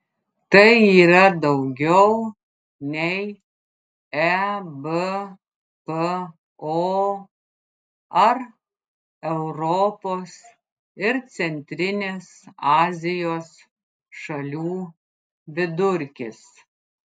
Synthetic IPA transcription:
t̪ɐɪiːɾɐd̪ɒʊɡʲɛʊ | nʲɛɪ | ɛbə | pə | o | ɐɾ | ɛʊɾɔpoːs | ɪɾt̪sʲɛnʲt̪ʲɾʲɪnʲeːsɑːzʲɪjoːs | ʃɐlʲuː | ʋʲɪd̪ʊɾʲkʲɪs

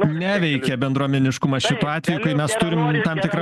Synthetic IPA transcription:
nʲæːʋʲɛɪkʲɛbʲɛnd̪ɾuɔmʲɛnʲɪʃkʊmɐsʃʲɪt̪uːɑːt̪ʲʋʲɛjuːkɐɪmʲɛst̪ʊɾʲɪmt̪ɐmt̪ʲɪkɾɐ

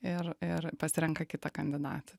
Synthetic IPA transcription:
ɪrɪɾpɐsʲɪɾʲɛŋkɐkʲɪt̪ɐkɐnʲd̪ʲɪd̪ɑ̰ːt̪ʲɐ

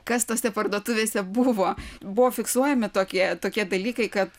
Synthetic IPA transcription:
kɐst̪oːsʲɛpɐrd̪uɔt̪ʊʋʲeːsʲɛbʊʋoːbʊʋoːfʲɪksuɔjɛmʲɪt̪oːkʲiɛt̪oːkʲiɛd̪ɐlʲiːkɐɪkɐt̪

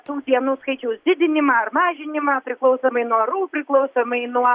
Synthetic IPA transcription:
t̪uːd̪ʲiɛnuːskɐɪt͡ʃʲɛʊsd̪ʲɪd̪ʲɪnʲɪmɑɐrmɑːʒʲɪnʲɪmɐpʲɾʲɪklˠɔʊsoːmɐɪnuɔɾuːpʲɾʲɪklˠɐʊsomɐɪnuɔ

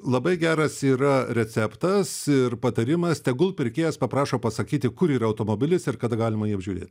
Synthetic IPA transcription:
lˠɐbɐɪɡʲæːɾɐsiːɾɐɾʲɛt͡s̪ʲæpt̪ɐsɪrpɐt̪ɐɾʲɪmɐst̪ʲɛɡʊlˠpʲɪɾʲkʲeːjɛspɐpɾɑːʃoːpɐsɐkʲiːt̪ʲɪkʊɾiːɾɐɐʊt̪oːmoːbʲɪlʲɪsɪrkɐd̪ɐɡɑːlʲɪmɐjiːɐbʲʒʲuːɾʲḛːt̪ʲ

